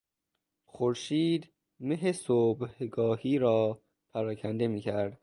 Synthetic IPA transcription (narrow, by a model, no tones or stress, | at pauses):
xoɾʃiːd̪ | meɦesobhɡɒːhiːɾɒː | pʰæɾɒːcʰænd̪e̞miːcʰæɾd̪̥